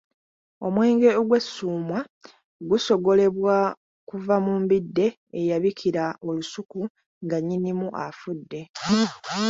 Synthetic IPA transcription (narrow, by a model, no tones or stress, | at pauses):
o̞mwe̞ːŋɡe̞oɡwe̞sːuːmwa | ɡuso̞ɡo̞le̞βwa | kuvamuːmbidːe̞ː | jaβikʰiɾao̞lusuku | ŋɡaɲːinimuʔafudːe̞